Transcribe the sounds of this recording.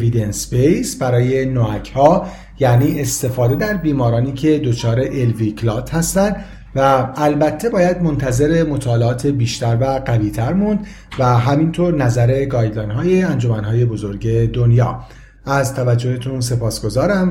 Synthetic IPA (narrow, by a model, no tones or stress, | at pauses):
vid̪enspejsbæɾɒːje̞noæcʰhɒː | jæniːʔest̪e̞fɒːd̪e̞d̪æɾbiːmɒːɾɒːniːcʰe̞d̪ot͡ʃʰɒːɾe̞ʔelvikʰlɒːt̪ʰhæst̪ænd̪ | væælbæt̪ʰːe̞bɒːjæd̪mo̞nt̪ʰæze̞ɾe̞mo̞t̪ʰɒːleɒːt̪ʰebiːʃt̪æɾvæɡæviːt̪ʰæɾmund̪ | væɦæmint̪ʰoɾnæzæɾe̞ɡɒːjlɒjnɦɒːjeænd͡ʒo̞mænɦɒːje̞bo̞zo̞ɾɟe̞d̪onjɒ̰ː | æzt̪ʰævæd͡ʒːo̞het̪ʰunse̞pɒːsɡ̥o̞zɒːɾæm